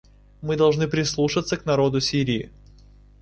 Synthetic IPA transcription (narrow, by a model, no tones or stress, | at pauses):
mɨd̪ɐlˠʐnɨpɾʲɪslˠuʂɨt̪sːəknɐɾo̞d̪ʊsʲiɾʲɪɪ̰